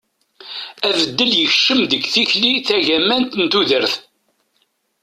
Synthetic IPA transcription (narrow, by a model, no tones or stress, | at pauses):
ævəd̪ːəljəçʃəmðəɡθiçliθæʝæmænt̪nt̪uðəɾθ